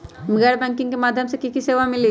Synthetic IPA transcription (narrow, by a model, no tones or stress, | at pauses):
mɪɡaɽbɛ̃ŋkɪ̃ŋɡkemaːd̪ʱjəmsekikiseːʋamɪli